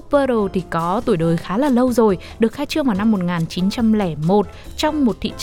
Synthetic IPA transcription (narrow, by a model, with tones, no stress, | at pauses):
pəː˧ɾo˨˩t̪ʰi˨˩kɔ˨˦t̪u˧˩əjɗəː˨˩jxaː˨˦laː˨˩lə˧wzo˨˩j | ɗɨ˨˩ək̚haː˧jt͡ɕɨ˧əŋvaː˨˩wna˧mːo˨˩t̚ŋaː˨˩nt͡ɕi˨˦nt͡ɕa˧mlɛ˧˩mo˨˩t̚t͡ɕɔ˧wŋ͡mmo˨˩t̚t̪ʰḭ˧˨t͡ɕ